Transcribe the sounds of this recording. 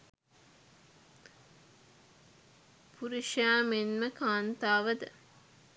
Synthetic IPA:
pʰuɾiʃjaːmenməkaːnt̪aːʋəd̪ə

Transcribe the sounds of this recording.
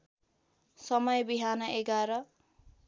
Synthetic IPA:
sʌmʌjbiɦanʌʔeɡaɾʌ

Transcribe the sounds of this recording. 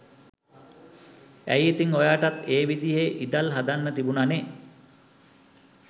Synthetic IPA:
æ̰jet̪iŋojaːʈat̪eːʋid̪ijeʔid̪alɦad̪anːət̪ibunane

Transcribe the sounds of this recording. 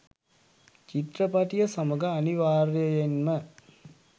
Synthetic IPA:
t͡ʃit̪ɾəpɐʈijɐsɐmɐɡɐːniʋaːɾjɐjenmə

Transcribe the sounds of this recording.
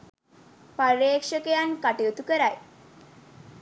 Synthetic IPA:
paɾeːkʂəkejankaʈijut̪ukəɾaj

